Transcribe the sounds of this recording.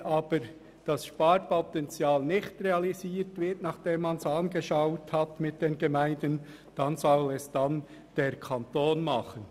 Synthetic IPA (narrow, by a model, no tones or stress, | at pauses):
ʔɑːb̥əɾ | d̥ɑsʃpɑɾpotɛnt͡sjaːlnɪçtreɑliziːtvɪtnɑχd̥eːmːɑnsɑnɡəʃaʊthɑtmɪt̚d̥eːnɡemæɪndən | d̥ɑnzɔlɛsd̥an | d̥eːɾkʰɑntoːnmɑχən